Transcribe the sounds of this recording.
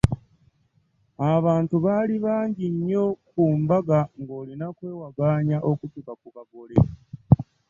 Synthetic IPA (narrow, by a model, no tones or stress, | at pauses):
aβaːntuβaːliβaːɲɟiɲːo̞kuːɱvaɡaŋɡo̞ːlinakwe̞ːwaɡaːɲaʔo̞kutukakuβaɡo̞lḛ